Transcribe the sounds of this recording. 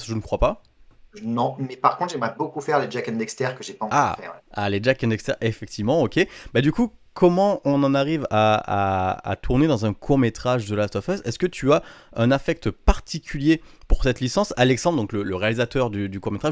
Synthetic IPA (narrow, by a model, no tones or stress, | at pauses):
ʒənəkχwapa | nɔ̃mɛpaʁkɔ̃t̪ʒɛmʁɛbokufɛʁled͡ʒakɛ̃nd̪ɛkst̪ɛʁkəʒepaɑ̃vafɛ̰wɛa̰led͡ʒakɛ̃nd̪ɛkst̪ɛʁefɛk̚t̪ʰivmɑ̃okʲebad̪ykukʰɔmɑ̃ɔ̃nɑ̃naʁivaa̰a̰t̪ʰuʁned̪ɑ̃zɛ̃kʰuʁmet̪χaʒd̪əlast̪ɔfɛsɛskət̪ʰyaɛ̃nafɛk̚t̪paʁt̪ʰikʲʰyljepuʁsɛt̪lisɑ̃salɛksɑ̃d̪ʁd̪ɔ̃klələʁealizat̪œʁd̪yd̪ykuʁmet̪χaʒ